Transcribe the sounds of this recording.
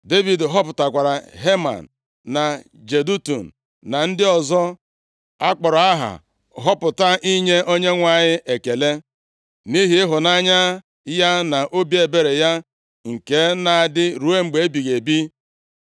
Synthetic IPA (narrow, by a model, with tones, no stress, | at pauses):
de˦vi˨dɦɔ˦pʊ˨ta˨kʷa˨ɾa˨ɦe˦ma̰˨n̩˨ | na˨ | d͡ʒe˨du˦tṵ˨n̩˨ | na˨n̩˦dɪ˦ɔ˨zɔ˦ | a˦k͡pɔ˨ɾa˨a˦ɦa̰˨ | ɦɔ˦pʊ˨ta˦ʔi˦ɲe˦ʔo˦ɲe˦ŋʷa˨ɲɪ˦ʔe˨ke˨le˦ | ni˦ɦi˨ɪ˦ɦʊ˨na˦ɲa˦ | ja˦na˨ʔo˦bje˨be˨ɾe˨ja˦ | ŋ̩˨ke˦na˨a˨dɪ˦ɾu˨˦e˦ŋ͡m̩˨ɡ͡be˨˦e˦bi˨ɣe˨bi˦